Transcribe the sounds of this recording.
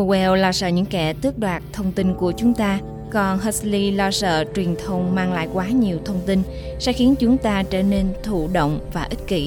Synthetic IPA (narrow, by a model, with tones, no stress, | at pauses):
o˧wɛ˧wlɔː˧sə̰ː˧˨ɲɨ̰˧˥ŋkɛ˧˩t̪ɨ˦˥ək̚ɗwaː˨˩t̚t̪ʰə˧wŋ͡mt̪i˧nku˧˩ət͡ɕʊ˨˦ŋ͡mt̪aː˧ | kɔ˨˩nɦə˦˥sli˧lɔ˧sə̰ː˧˨t͡ɕwi˨˩ənt̪ʰə˧wŋ͡mmaː˧ŋla̰ː˧˨jkwaː˨˦ɲi˨˩əwt̪ʰə˧wŋ͡mt̪i˧n | sɛ̰˧˥xi˨˦ənt͡ɕʊ˨˦ŋ͡mt̪aː˧t͡ɕəː˧˩ne˧nt̪ʰṵ˧˨ɗo̰˧˨wŋ͡mvaː˨˩ʔi˦˥t̟̚kḭ˧˩